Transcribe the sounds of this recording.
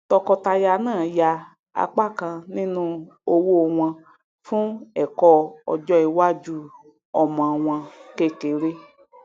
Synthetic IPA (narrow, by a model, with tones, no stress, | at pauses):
tɔ˧kɔ˧ta˧ja˧nãː˦˨ja˧ | a̰˧k͡pa˦˨kã˧nĩ˦nũ˦ | o˧wo˦˧w̃ã˧ | fũ˦ɛ˨kɔ˧ɔ̰˧d͡ʒɔ˦i˨˧wa˦d͡ʒu˦ | ɔ˨mã˨w̃ã˧ke˦˨ke˨˦ɾe˦